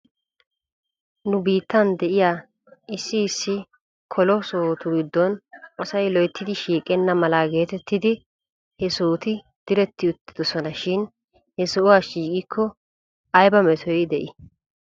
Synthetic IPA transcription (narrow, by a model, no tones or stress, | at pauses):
nʊbiːt̪ːɐnd̪ɛʔɪjaː | ʔɪsːɪːsːɪ | kʰɔlɔsoːt̪ʊɡɪd̪ːɔnʔɔsɐjlɔjt̪ːɪd̪ɪʃiːkʼːɛnːɐmɐlɐɡe̞ːt̪ɛt̪ːɪd̪ɪ | hɛsoːt̪ɪ | d̪̥ɪɾɛt̪ːɪʊt̪ːɪ̥d̪ɔsɔnɐʃɪn | hɛsɔʔʊwaʃiːkʼɪkʰːɔ | ɐjbɐmɛt̪ʰɔjd̪ɛʔɪ